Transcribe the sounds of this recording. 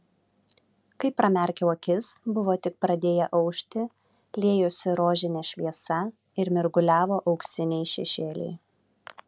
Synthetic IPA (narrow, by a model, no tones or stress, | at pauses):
kɐɪpːɾɐmʲɛɾʲkʲɛoːkʲɪsbʊʋoːt̪ʲɪk̚pɾɐd̪ʲeːjɛʔɐʊʃʲt̪ʲɪ | lʲeːjoːsʲɪɾoːʒʲɪnʲɛʃʲʋʲiɛsɐ | ɪɾmʲɪɾɡʊlʲæːʋoːʔɒʊksʲɪnʲɛɪʃʲɛʃʲeːlʲɛ̰ɪ